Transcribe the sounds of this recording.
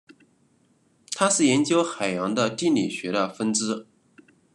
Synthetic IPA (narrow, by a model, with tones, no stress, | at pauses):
t̪ʰa˥ʂɻ̩˥˩jɛ˧˥nt͡ɕjo˥ʊxa˨˩ɪjɑ˧˥ŋd̪ə˧t̪i˥˩nli˨˩ɕɥɛ˧˥ɾə˧fə˥nʈ͡ʂɻ̩˥